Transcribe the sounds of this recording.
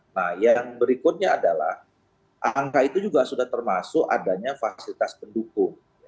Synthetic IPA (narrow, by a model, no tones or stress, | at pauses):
nahjaŋbəɾikʊt̪̚ɲaːdala̰h | ʔaŋkait̪ud͡ʒuɡasudaht̪ərmasʊka̰daɲafasilit̪aspəndukʊŋ